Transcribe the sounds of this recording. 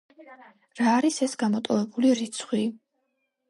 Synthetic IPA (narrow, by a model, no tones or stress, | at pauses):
ɾaːɾisɛsɡamɔt̪ʼɔvɛbuliɾit̪sʰχwi